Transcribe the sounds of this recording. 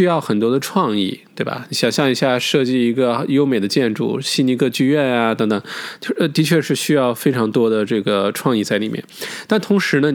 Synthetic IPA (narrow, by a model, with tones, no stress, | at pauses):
y˥jɑ˥˩ʊxə˨˩nt̪wɔ˥d̪ə˧ʈ͡ʂʰwɑ˥˧ŋḭ˥˩t̪we˥˩ɪbɐ̰˨˩i˧˥ɕjɑ˨˩ŋɕjɑ˥˧ŋi˧˥ɕja˥˩ʂɤ˥˧t͡ɕi˥˩i˧˥ɡə˧jo˥ʊme˨˩ɪd̪ə˦t͡ɕjɛ˥˧nʈ͡ʂṵ˥˩ɕi˥ni˧˥kʰɤ˥˧t͡ɕy˥˧ɥɛ˥˩na˩t̪ɤ˧˥ŋt̪ɤ˨˩ŋt͡ɕo˥˧t̪i˧˥t͡ɕʰɥɛ˥˧ʂɻ̩˥˧ɕy˥jɑ˥˩ʊfe˥ɪʈ͡ʂʰɑ˧˥ŋt̪wɔ˥d̪ə˨ʈ͡ʂɤ˥˩ɡə˩ʈ͡ʂʰwɑ˥˧ŋi˥˧t͡sa˥˩ɪli˨˩mjɛ̰˥˩nt̪a˥˩nt̪ʰʊ˧˥ŋʂɻ̩˧˥nə˧